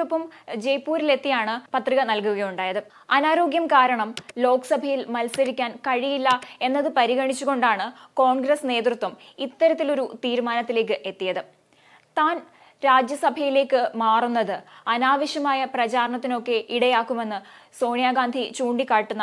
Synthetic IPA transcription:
upːɐmd͡ʑe̞jpːuːɾile̞t̪ːijaːɳɨpɐt̪riɣɐnɐlkuɣɐjuɳɖaːjɐðɨ | ɐnaːɾo̞ːɡjɐmkaːɾɐɳɐmlo̞ːkɐsɐbʱɐjilmɐlsɐɾikʲːaːnkɐɻijilːɐe̞nːɐðɨpɐɾiɣɐɳit͡ɕːuɣo̞ɳɖaːɳɨko̞ːɳɡrɐsne̞ːt̪rɨt̪wɐmit̪ːɐɾɐt̪ːilo̞ɾut̪iːɾumaːnɐt̪ːile̞ːk̬ːɨʔe̞t̪ːijɐðɨ | t̪aːn | ɾaːd͡ʑjɐsɐbʱɐjile̞ːkːɨmaːrunːɐðɨɐnaːʋɐʂjɐmaːjɐprɐt͡ɕaːɾɐɳɐt̪̬ːino̞kːe̞ʔiɽɐjaːkːume̞nːɨso̞ːnijaːɡaːnd̪ʱit͡ɕuːɳɖikːaːʈːunːɐ

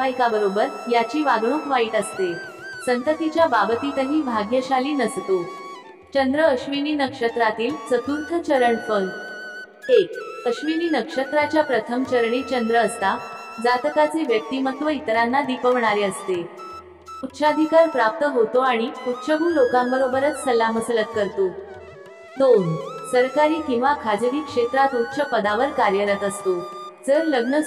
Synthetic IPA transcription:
aikabəɾobəɾjat͡ɕiːʋaɡɽũkʋaiːt̪əst̪e | sənt̪ət̪it͡ɕjababət̪iːt̪əɦĩːbʱaɡjəɕaliːnəst̪o | t͡ɕənd̪ɾəəɕʋiniːnəkʂət̪ɾat̪iːlsət̪uɾt̪ʰət͡ɕəɾəɳpən | ekəɕʋiniːnəkʂət̪ɾat͡ɕjapɾət̪ʰəmt͡ɕəɾɳiːt͡ɕənd̪ɾəːst̪a | d͡zat̪əkat͡seʋjək̚t̪iːmət̪ʰʋəit̪ɾanːad̪ipəʋɳaɾeəst̪e | ut̪ːɕad̪ʱikaɾpɾap̚t̪əɦot̪oaɽ̃iut̪ːɕəɡuːlokambəɾobəɾət͡ssəlːaməsələt̪̚kəɾt̪o | d̪onsəɾkaɾiːkĩw̃ʋakʰad͡zəɾiːkʂet̪ɾat̪ut̪ːɕʰəpəd̪aʋəɾkaɾjəɾət̪əst̪od͡zəɾləɡnə

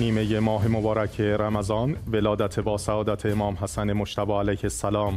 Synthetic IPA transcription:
niːme̞jemɒːɦe̞mobɒːɾæcʰeɾæmæzɒːnvelɒːd̪æt̪ʰebɒːsæɒːd̪æt̪ʰeːmɒːmhæsænemoʃt̪ʰæbɒːælæjhesːælɒːm

